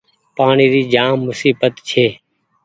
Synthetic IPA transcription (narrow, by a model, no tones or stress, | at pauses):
paːɳiːɾiːd͡ʒaːmːʊsiːbət̪t͡ʃʰeː